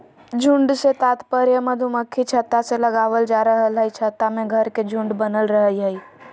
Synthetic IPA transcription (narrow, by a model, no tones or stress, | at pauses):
d͡ʒʱũɳɖset̪aːt̪pəɾjəməd̪ʱuməkʰːit͡ʃʰət̪ːaseləɡaːʋəld͡ʒaːɾəɦəlɦəit͡ʃʰət̪ːamẽɡʱəɾked͡ʒʱũɳɖbənəlɾəɦəiɦəi